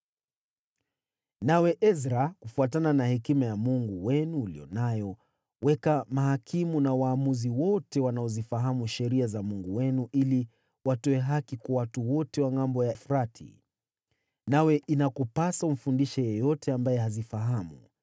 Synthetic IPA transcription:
nawɛʔɛzɾakufuatananahɛkimajamuŋɡuwɛnuːlḭjɔ̰najɔ | wɛkamaɦakʰimunawaːmuziwɔtɛwanaɔzifaɦamuʃɛɾiazamuŋɡuwɛnuʔili | watɔɛɦakikwawatuwɔtɛwaŋambɔjafɾatʰḭ | nawɛʔinakupasaum̩fundiʃɛjɔjɔtɛambajɛhazifaɦamṵ

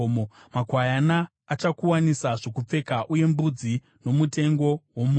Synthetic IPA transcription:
mo | makwajanaː | t͡ʃakuwanisaʐo̞kup͡fe̞kaʔuje̞mbud͡zi | no̞mute̞ŋɡo̞womu

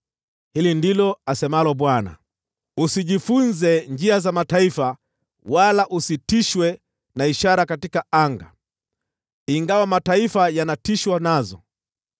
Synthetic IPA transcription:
hilindilɔasɛmalɔɓwana̰ | usiʄifunzɛnd͡ʒiazamataifa | walaʔusitiʃwɛ | naiʃaɾakatikaaŋɡa̰ | iŋɡawamataifajanatiʃwanazɔ̰

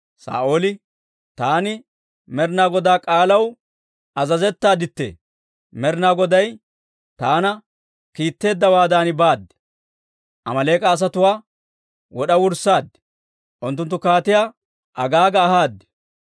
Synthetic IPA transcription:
sa̰ːʔoːlɪ | t̪aːnɪ | mɛɾnaːɡɔd̪aːkʼaːlɐw | ɐzɐzɛt̪ːaːd̪ɪt̪ːḛː | mɛɾnaːɡɔd̪ɐj | t̪aːnɐ | kiːt̪ːe̞ːd̪ːɐwaːd̪aːnɪbaːd̪ːɛ̥ | ʔɐ̰mɐle̞ːkʼɐːs̬ɐt̪ʊwaː | wɔɗɐwʊɾsaːd̪ːɛ̥ | ʔʊnt̪ːʊnt̪ːʊkaːt̪ɪjaː | ʔɐɡaːɡɐːhaːd̪ːɛ̥

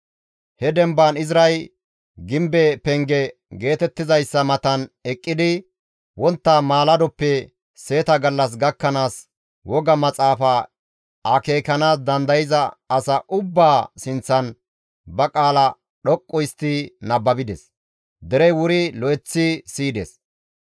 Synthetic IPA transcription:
hɛd̪ɛmbanɪzɾɐj | ɡɪmbɛpɛŋɡɛ | ɡe̞ːt̪ɛt̪ːɪzɐjsːɐmɐt̪ɐnɛkʼːɪd̪ɪ | wɔnt̪ːamaːlɐd̪ɔpːɛ | se̞ːt̪ɐɡɐlːɐs̬ɡɐkːɐnaːs | wɔɡɐmɐt͡sʼaːfɐ | ɐke̞ːkɐnaːsd̪ɐnd̪ɐjɪzɐːsɐʔʊbːaːsɪnt͡sːɐn | bɐkʼaːlɐ | ɗɔkʼːɔjɪst̪ːinɐbːɐbɪd̪ɛs | d̪ɛɾɛjwʊɾɪlɔʔɛt͡sːisiːd̪ɛs

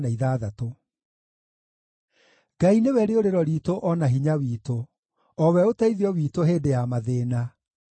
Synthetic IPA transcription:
naiðaːðato | ɡ̥ainewɛɾeoɾeɾɔɾiːtoʔɔnaɦiɲawiːto | ɔwɛotaiðiɔwiːtoɦeːdejamaðeːna

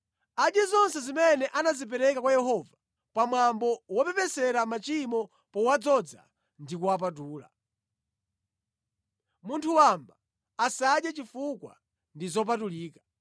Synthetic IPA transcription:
aɗjɛzɔnsɛzimɛnɛʔanazip̬ɛɾɛkakwajɛɦɔva | pamwambɔwɔpɛpɛsɛɾamat͡ʃimɔ | pɔwad͡zɔd͡za̰ | ndikuwap̬at̬uːla̰ | muntʰuwambaː | saɗjat͡ʃifukwa̰ | ndizɔp̬atuliːkḁ

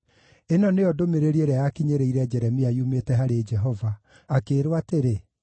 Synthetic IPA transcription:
enɔneɔdomeɾeɾieɾeajakiɲeɾeiɾɛd͡ʒɛɾɛmiaiumetɛɦaɾed͡ʒɛɦɔvaː | keɾwateɾe

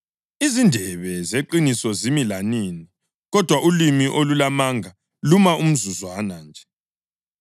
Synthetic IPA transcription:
izindʱɛβɛzeǃinisɔzimilanini | ɣɔd̥ʱwaʔulimiʔolulamaŋʱa | lumaum̩zuzwanand͡ʒʱɛ

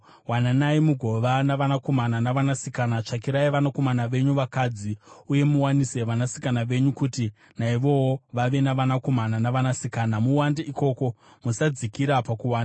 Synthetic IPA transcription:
wananaimuɡʱo̞ʋanaʋanako̞mananaʋanasikanat͡ʂakiɾaiʋanako̞manaʋe̞ɲuʋakad͡ziuje̞muwanise̞ʋanasi̥kanaʋe̞ɲukuti | naiʋo̞woʋaʋe̞naʋanako̞mananaʋanasikaːnamuwandeʔiko̞ːko̞ | musad͡zikiɾapakuwaːna

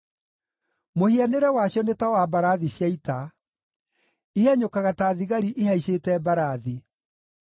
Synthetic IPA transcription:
mohianeɾɛwaɕjɔnetawabaɾaðiɕjaita | iaɲokaɣataːðiɣaɾiʔeɦaiɕetɛbaɾaði

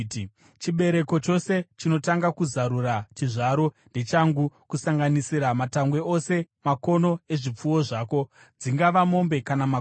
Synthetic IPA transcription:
t͡ʃiɓe̞ɾe̞ko̞t͡ʃo̞se̞t͡ʃino̞taŋɡakuzaɾurat͡ʃiʐaɾo̞nde̞t͡ʃaŋɡukusaŋɡanisiɾamataŋɡwe̞ose̞mako̞no̞e̞ʐip͡fuwo̞ʐaːko̞ | d͡ziŋɡaʋamo̞mbe̞kanama

